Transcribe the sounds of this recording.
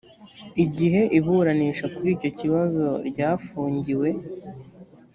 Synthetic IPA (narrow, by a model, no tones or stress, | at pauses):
iɟiɦe̞ʔiβuɾaniːʃakuɾiːco̞ciβazo̞ɾɟaːfuːɲɟiwe̞